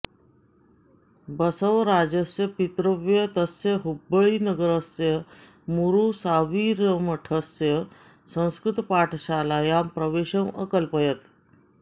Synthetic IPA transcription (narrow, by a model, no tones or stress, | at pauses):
bəsəʋɾad͡ʑəsjəpit̪ɾəʋjət̪əsjəɦubəɭiːnəɡəɾəsjə | muɾusaʋiɾəməʈʰəsjə | sə̃w̃skɾut̪paʈʰɕalajampɾəʋeɕə̃wəkəlpəjət̪